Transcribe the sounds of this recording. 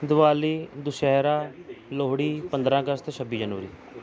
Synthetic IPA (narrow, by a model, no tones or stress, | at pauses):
d̪ʊʋaːliːd̪ʊʃɛːɾaːloːɽiːpənd̪ɾãːəɡəst̪eːsʰəbiːd͡ʒənuːɾḭː